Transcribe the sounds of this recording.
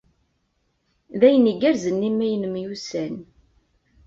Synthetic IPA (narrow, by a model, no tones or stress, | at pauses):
ðæjəniɡæɾzənːimːæjənəmjusæn